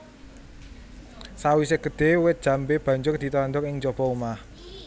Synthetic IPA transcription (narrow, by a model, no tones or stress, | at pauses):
sawiseɡ̥ə̤d̪̥e̤wɪt̪̚d̥ʒ̥ä̤mbeb̥ä̤ɲd͡ʒʊrd̪̥i̤t̪ɔnd̪ʊkɪŋd͡ʒɔb̥ɔumah